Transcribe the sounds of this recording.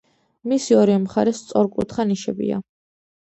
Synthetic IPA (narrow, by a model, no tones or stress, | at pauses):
misiɔɾiɛmχaɾɛst̪sʼɔɾkʼṵt̪ʰχaniʃɛbḭa̰